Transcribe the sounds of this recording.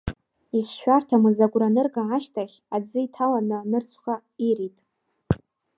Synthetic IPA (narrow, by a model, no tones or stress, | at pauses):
isʃᶣartʰamɨzaɡʷʼranɨrɡaaʃtʰaχʲad͡zɨitʰalanɨnɨrt͡sʷʰχa | iritʼ